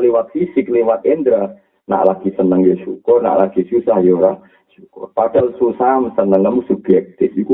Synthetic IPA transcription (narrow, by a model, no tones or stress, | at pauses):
lewat̪̚fisɪk̚lewat̪̚ɛnd̪ɾa | na̰ʔlaɡ̥isənəŋjɔʃukɔrna̰ʔlaɡ̥isusahjoɾa | ʃukɔ̰rpad̥alsusamsənəŋamusuɡlɛk̚t̪ɪsiku